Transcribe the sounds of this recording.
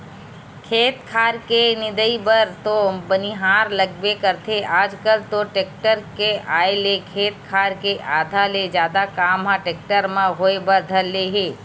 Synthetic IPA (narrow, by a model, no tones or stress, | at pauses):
kʰeːt̪kʰaːɾkenɪd̪əibəɾt̪obɐniɦaːɾlɐɡbekɐɾt̪ʰeʔaːd͡ʒkəlt̪oʈeːk̚ʈəɾkeʔaːelekʰeːt̪̚kʰaːɾkeʔaːd̪ʱaled͡ʒjaːd̪akaːmɦãʈeːk̚ʈəɾmãɦoːebɐɾd̪ʱɐlːeɦeː